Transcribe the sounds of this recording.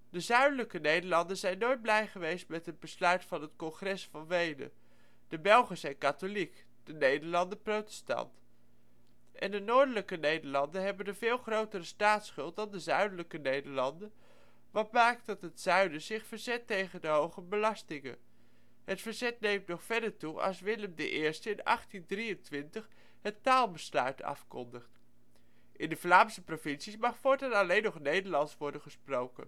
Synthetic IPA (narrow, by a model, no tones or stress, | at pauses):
dəzœɥdələkənejdəɹlɑndənzɛjnːojd̚blɛjχəʋejstmɛtɦəd̚bəslœɥtfɑnɦətkɔnχrɛsfɑnʋejdə̰ | d̥əbɛlˠχəsɛjnkatolik | d̥ənejdəɹlɑndəprowtɛ̥stɑ̰nt | ʔɛ̰ndənoːɹdələkənejdəɹlɑndənɦɛbəndəvɪːlˠχrowtərəstaːtsχʏlˠt̚dɑndəzœɥdələkənejdəɹlɑndən | ʋɑt̚maːk̚t̚dɑtɦətsœɥdəzɪχfəɹzɛtːejχəndəɦowχəbəlɑstɪŋə̰n | ɦətfəɹzɛt̚nejmtnɔχfɛɹdəɹtuʔɑ̰lˠsʋɪləmdə̰ʔɪːɹstəɪnɑ̰χtindrijəntʋɪntəχ | ɦətaːlˠbəslœ̰ɥtʰɑ̰fkɔ̰ndəχt | ʔɪndəflaːmsəprovɪnsismɑχfʊːɹtɛnɑlejnɔχnejdəɹlɑntsʋɔɹdənχəsprowkə̰n